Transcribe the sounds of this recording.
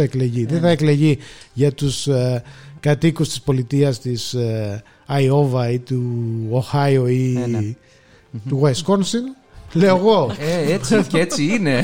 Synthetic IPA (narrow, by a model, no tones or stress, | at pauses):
ɐekle̞ʝiðeθɐekle̞ʝiʝɐt̪us | kɐt̪ikust̪i̥spo̞lit̪iɐst̪is | ɐio̞vɐit̪uoxɐoi | t̪uɣesko̞nsin | leoɣo̞eeet͡siine̞